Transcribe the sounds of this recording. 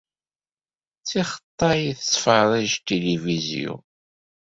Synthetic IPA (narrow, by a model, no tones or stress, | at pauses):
t͡sːiχə̥t̪ˤːɑjiθəsˤfəðˤæʒt̪ilivizḭṵ